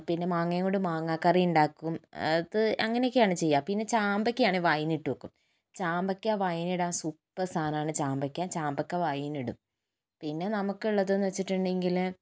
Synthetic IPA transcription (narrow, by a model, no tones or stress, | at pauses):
pinːe̞maːŋːɐjɐŋːoɳɖɨmaːŋːaːkːɐrijuɳɖaːkːumɐðɨʔɐ̰ŋːɐneokːɨjaːɳɨt͡ɕe̞jːaːmpinːe̞t͡ɕaːmbɐkʲːɐaːɳɨʋajiniʈːuʋokːum | t͡ɕaːmbɐkʲːaːʋajiniɽaːnsupːɐsʰaːnaːɳɨt͡ɕaːmbɐkʲːaːt͡ɕaːmbɐkʲːaːʋɐjiniɽṵm | pinːe̞nɐmukːuɭːɐðenːʋɐt͡ɕːiʈːuɳɖe̞ŋɡil